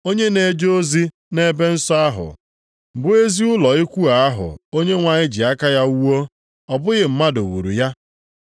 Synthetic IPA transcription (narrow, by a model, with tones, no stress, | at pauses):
o˦ɲe˦ne˨d͡ʒo˦zi˦ | ne˦be˦n̩˦sɔ˦a˦ɦʊ̰˨ | m̩˨bʊ˦e˦zi˦ʊ˦lɔ˨ɪ˦kʷu˦a˨a˦ɦʊ̰˨o˦ɲe˦ŋʷa˨ɲɪ˦d͡ʒi˨a˦ka˦ja˦u˦wo˦ | ɔ˨bʊ˦ɣɪ˨m̩˦ma˦do̰˨wṵ˨ɾṵ˨ja˦